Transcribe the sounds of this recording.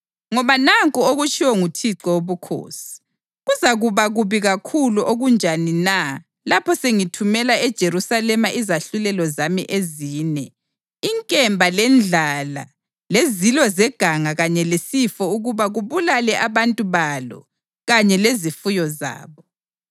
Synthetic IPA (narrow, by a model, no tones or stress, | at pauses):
ŋɔβanaŋkʼuoɣut͡ʃʰʼiwɔŋutʰiǀɔoβukʰo̰ːsi̥ | ɣuzaɣuβaɣuβiɣakʰuluʔoɣund͡ʒʱanina | lapʰɔseŋitʰumɛlaɛd̥ʒ̥ʱeɾusalɛmaʔizaɬulɛlɔzamḭʔeziːnɛ | iŋkʼɛmbʱalɛnd͡ɮʱala̰ | lezilwɔzɛɡ̥ʱaŋaɣaɲɛlesifɔuɣuβaɣuβulalɛʔaβantʼuβalɔ̰ | ɣaɲɛlezifujɔza̰ːβɔ